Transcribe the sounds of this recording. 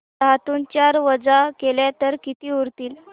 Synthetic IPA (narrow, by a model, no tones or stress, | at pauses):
at̪uːnt͡ɕaɾʋəd͡zakeljat̪əɾkit̪iːuɾt̪iːl